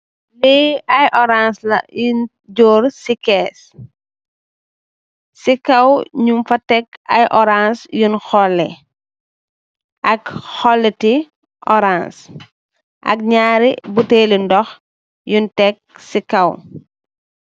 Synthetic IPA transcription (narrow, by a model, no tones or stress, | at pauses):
lɛɐjʔɔɾanslɐ̰jun | ɟɔːɾsikɛːs | sikɐwɲumfɐtɛkɐ̰jʔɔɾansjunxɔlːɛ̰ | ʔɐkxɔlːɛti | ʔɔɾans | ʔɐ̰k̚ɲaːɾibuteːlindɔx | juntɛk̚sikɐw